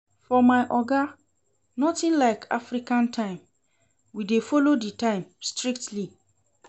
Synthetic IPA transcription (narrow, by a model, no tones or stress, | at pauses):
fɔmaɪʔɔɡa | nɔtĩnlaɪkʰa̰fɾikãntʰãɪ̃m | widefɔloditãɪ̃mstɹik̚tli